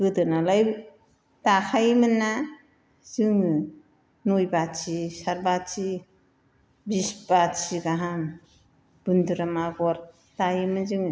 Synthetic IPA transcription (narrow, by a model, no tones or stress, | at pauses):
ɡɯdɯnalaj | takʰajmɯnːa | z̥ɯŋɯ | nujbat͡ʃisaɾbat͡ʃi | bisbat͡ʃiɡaɦam | b̥unduɾamaɡɔɾ | tajimɯnzɯŋɯ